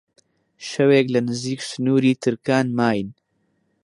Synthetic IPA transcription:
ʃɐweːklɐnɨziːksɨnuːɾiːt̪ʰɨɾkaːnmaːjn

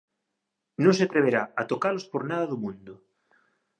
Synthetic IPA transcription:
nõseat̪ɾeβ̞eɾaat̪okalospoɾnaðaðumũnd̪o

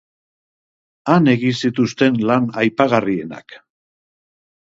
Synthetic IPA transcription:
ane̞ɣinsit̪ust̪e̞nlanajpaɣarie̞na̰k

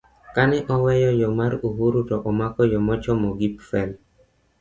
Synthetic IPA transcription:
kanɛʔɔwɛjɔjɔmaɾuɦuɾutɔʔɔmakɔjɔmɔt͡ʃɔmɔɡipfɛl

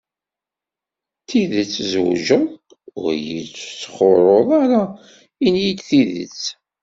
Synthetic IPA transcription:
θiðət͡sːzw̰ʒəðˤ | ʊ̰ɾjḭt͡sːt͡sːə̥χoɾˤoðˤaɾa | injid̪θiðə̰t͡s

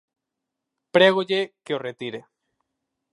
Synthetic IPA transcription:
pɾeɣoʎekeoret̪iɾe

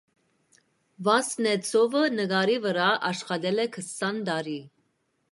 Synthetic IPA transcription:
vɑsnɛt͡sʰɔvənəɡɑɾivəɾɑɑʃχɑd̪ɛlɛkʰəsɑnd̪ɑɾi

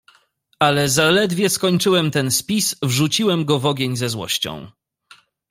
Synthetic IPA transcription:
alɛzalɛd̪vʲjɛskɔɲt͡ʂɘwɛmt̪ɛnspʲisvʐut͡ɕiwɛmɡɔvɔɡʲjeɲzɛzwɔ̰ɕt͡ɕɔ̰̃w̃

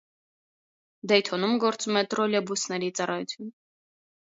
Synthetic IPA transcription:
d̪ɛjt̪ʰɔnumɡɔɾt͡sumɛt̪ɾɔljɑbusnɛɾit͡sɑrɑjut͡sʰjun

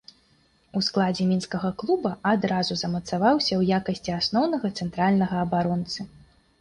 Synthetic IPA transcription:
usklˠad͡zʲɛmʲinskɐɣɐklˠubɐad̪ɾazuzɐmɐt̪savawsʲɐwjakɐsʲt͡sʲiasnɔwnɐɣɐt̪sɛnt̪ɾalʲnɐɣɐːbaɾɔnt̪sɨ

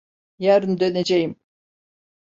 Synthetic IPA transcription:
jæɾɯnd̪øned͡ʒejim

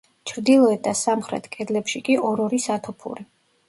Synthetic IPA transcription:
t͡ʃʰɾd̪ilˠɔɛt̪̚d̪asamχɾɛ̰t̪ʰkʼɛd̪lɛpʃikʼiʔɔɾɔɾisat̪ʰɔpʰṵɾi

